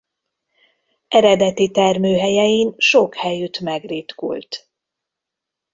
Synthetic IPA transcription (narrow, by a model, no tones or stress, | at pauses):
ʔɛɾɛd̪ɛt̪it̪ɛrmøːɦɛjɛjinʃokhɛjyt̪mɛɡriːt̪kṵlt̪